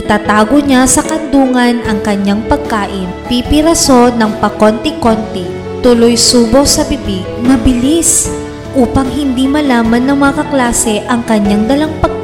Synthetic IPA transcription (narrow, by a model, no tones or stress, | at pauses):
t̪aːt̪aːɡoɲasɐkɐnd̪uːŋɐnʔɐŋkɐɲaŋpɐɡ̚kaːʔɪnpipɪɾɐso̞nɐŋpɐkont̪ɛkont̪ɛ | t̪ʊlojsuːbo̞ʔsɐbɪbiɡmɐbɪlis | ʔuːpɐŋɦɪnd̪imɐlaːmɐnːɐŋmɐŋɐkɐklaːsɛʔɐŋkɐɲːaŋd̪ɐlaŋpɐɡ̚k